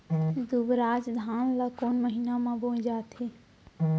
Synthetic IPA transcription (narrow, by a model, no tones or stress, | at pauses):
d̪ubɾaːd͡ʒd̪ʱaːnlakoːnməɦinamãbõd͡ʒaːt̪ʰi